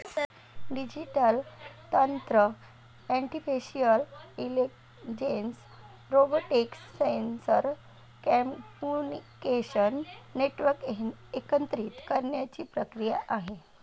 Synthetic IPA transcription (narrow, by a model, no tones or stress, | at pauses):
ɖid͡ʑiʈəlt̪ənt̪ɾə | ɛɳʈifiɕiəlilek | d͡ʑens | ɾoboʈeksːensəɾ | kɛmpunikeɕənːeʈʋəɾkekənt̪ɾiːt̪kəɾɳjat͡ɕiːpɾəkɾijaʔaɦe